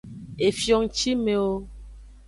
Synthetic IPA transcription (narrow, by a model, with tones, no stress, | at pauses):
e˨fjɔ˨ŋt͡ʃi˦me˨wo˦